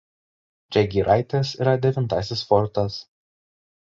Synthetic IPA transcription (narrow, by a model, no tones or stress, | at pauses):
d͡ʒʲɛɡʲiːɾʔɑɪt̪ʲeːsiːɾɐd̪ʲɛʋʲɪnt̪ɑsʲɪsfɔɾt̪ɐs